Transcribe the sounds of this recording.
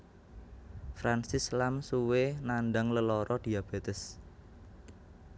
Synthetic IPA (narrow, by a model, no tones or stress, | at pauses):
fɾansɪslamsuwenanɖaŋləlɔɾɔd̪̥i̤ab̥et̪əs